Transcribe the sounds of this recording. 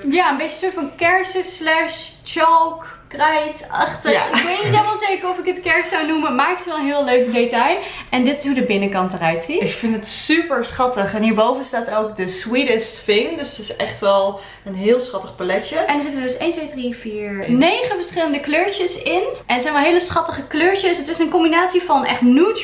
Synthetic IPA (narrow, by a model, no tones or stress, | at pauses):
jaːəmbejt͡ʃəsʊːɹtfɑnkɛɹsəslɛʃ | t͡ʃɑlˠk | krɛjtɑ̰χtəaɪkʋejtnitelˠmalˠzejkəɹɔfɪkətkɛɹssawnumənmaːk̚tətʋɛlˠə̃nɦɪːlˠløɥkdetɑjʔɛndɪtɪ̥sɦudəbɪnəkɑntərœɥtsiɪkfɪntətsypəɹsχɑtəχɛnɦiːɹbowvənstaːtowkdəswidəstfɪŋdɵsətɪsɛχtʋɛlˠ | ənɦɪːlˠsχɑtəχpalɛt͡ʃəɛndənzɪtədɵsejntʋejdrifiːɹnejχənfəɹsχɪləndəkløːɹt͡ʃəsɪnʔɛndəzɛjnʋɛlˠɦejləsχɑtəχəkløːɹt͡ʃəsətɪsənkɔmbinaːtsivɑnɛ̰χtnut